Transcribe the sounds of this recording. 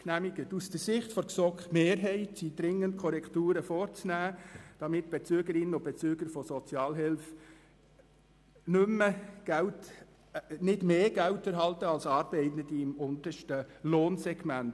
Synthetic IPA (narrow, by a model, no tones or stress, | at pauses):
næmiɡətusd̥əɾsɪχtfɔɾksɔkχmeːɾɦɛɪtsid̥ɾɪŋːənt̚kʰɔɾɛktuːɾəfɔːɾt͡snæːd̥ɑmɪtb̥ɛt͡syəɡəɾɪnənʊb̥ɛt͡syːɡ̥əɾfɔsɔt͡sjɑːlɦɪlf | nʏmːəɡ̥ælt | nɪdmeːɡ̥æwtɛɾɦɑltəɑlsɑːɾb̥ɛɪtnədiɪmʊnt̪əʃtəloːnsɛɡmænt